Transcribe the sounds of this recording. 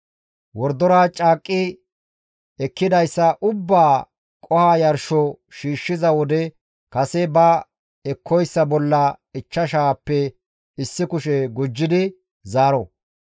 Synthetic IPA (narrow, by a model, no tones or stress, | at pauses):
wɔɾd̪ɔɾaːt͡ʃʼaːkʼːɪ | ɛkːɪd̪ɐjsːɐʔʊbːaː | kʼɔhaːjɐɾʃɔ | ʃiːʃːɪzɐwɔd̪ɛ | kɐsɛbɐ | ɛkʰːɔjsːɐbɔlːɐɪt͡ʃːɐʃaːpːɛ | ɪsːɪkʊʃɛɡʊd͡ʒːɪd̪ɪ | zaːɾɔ